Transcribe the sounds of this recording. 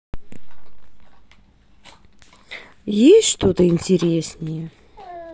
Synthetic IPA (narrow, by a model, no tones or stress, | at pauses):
jesʲtʲʂt̪ot̪əɪnʲtʲɪɾʲesnʲɪjə